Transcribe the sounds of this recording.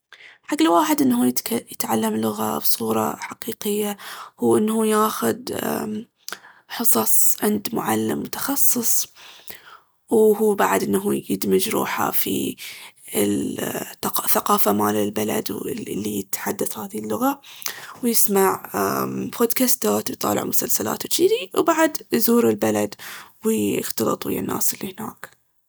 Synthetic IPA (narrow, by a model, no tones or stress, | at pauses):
ħaɡːɪlwaːħɪd̪ʔɪnːhuːj̪jɪt̪ʕalːamlʊɣa̰bsˤuːɾˤɑ̰ħaqiːqɪjːahuːʔɪnːhuːjaːxʊd̪̰ | ħɨsˤɑsˤʕɪnd̪mʊ̰ʕalːɪmːʊt̪ɑ̥xɑsˤːɨsˤ | whuːbaʕd̪ʔɪnːɦujɪd̪mɪd͡ʒɾṵːħa̰fḭ | ɪl | θaqɑːfamaːlɪlbala̰d̪lːijɪt̪ħad̪ːaθhaːðilːʊɣawjɪsmaʕ | bʰod̪kast̪aːt̪wjt̪ˤɑ̰ːlɪ̰ʕmʊsalsala̰ːt̪wt͡ʃiːd̪iwbaʕad̪jzuːɾɪlbalad̪wɪxt̪ɑlɨ̰t̪ˤwḭɪ̰nːa̰ːsɪlːihɪna̰ːk